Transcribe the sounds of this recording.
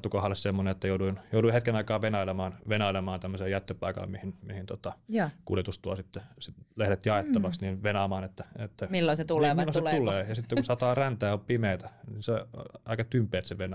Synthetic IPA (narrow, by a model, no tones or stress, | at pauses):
t̪ːukɑhɑlːessemːoneet̪ːæjouduinjouduihet̪kenɑikɑːʋenɑilemɑːnʋenɑilemɑːnt̪æmːøseːjæt̪ːøpɑikɑ̰lmihinmihint̪ot̪ɑkṵljet̪ust̪uɑ̰sit̪ːesilehɾet̪jɑet̪ːɑʋɑksniːnʋenɑːmɑːnet̪ːæet̪ːæmilːoset̪ulelːosset̪uleːjɑsit̪ːekusɑt̪ɑːrænt̪æːoppimeːt̪æninseoɑikɑt̪ympˑeːt̪seʋenɑ